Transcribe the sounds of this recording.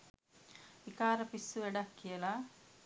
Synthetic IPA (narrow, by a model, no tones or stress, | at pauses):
ikaːɾɐpisːuʋeɽɐkːijɐla